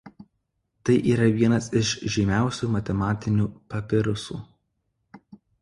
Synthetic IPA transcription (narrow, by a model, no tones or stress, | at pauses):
t̪ɐɪʔiːɾɐʋʲiɛnɐsɪʃʒʲɪmʲæˑʊsʲuˑmɐt̪ʲɛmɑːt̪ʲɪnʲuːpɐpʲɪɾʊsṵː